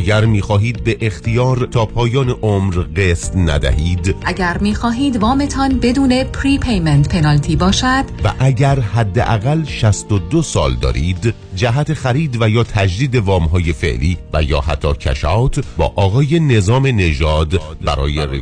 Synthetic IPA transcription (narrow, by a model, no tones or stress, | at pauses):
æɡæɾmiːxɒːɦiːd̪̚be̞ʔext̪ijɒːɾt̪ʰɒːpʰɒːjɒːneʔomɾɣeːst̪næ̰d̪æ̰hiːd̪ʔæɟæɾmiːxɒːɦiːd̪vɒːme̞t̪ʰɒːnbe̞d̪uːne̞pʰɾiːpʰejment̪pʰe̞nɒlt̪ʰiːbɒːʃæd̪̥væ̰ʔæɟæɾɦæd̪ːeʔæɣælʃæst̪od̪osɒ̰ːld̪ɒ̰ːɾiːd̪ | d͡ʒæɦæt̪ʰexæɾiːd̪væjɒːt̪ʰæd͡ʒd̪iːd̪e̞vɒːmɦɒːje̞fe̞̰ʔliːvæ̰jɒːhæ̰t̪ʰːɒːcʰæ̰ʃɒwt̪ʰbɒ̰ːʔɒːɣɒːje̞ne̞zɒːme̞ne̞d͡ʒɒːd̪ | bæɾɒ̰ːjere